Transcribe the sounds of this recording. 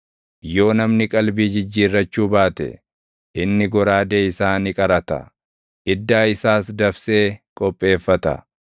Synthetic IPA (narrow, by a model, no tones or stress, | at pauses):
jo̞ːnɐmnɪkʼɐlbiːd͡ʒɪd͡ʒːiːrːɐt͡ʃːuːbaːt̪ɛ̰ | ʔɪnːɪɡɔɾaːd̪eːɪsaːnɪkʼɐɾɐt̪ɐ̰ | ʔɪd̪ːaːɪsaːsd̪ɐbse̞ːkʼɔpʼːe̞ːfːɐt̪ɐ̰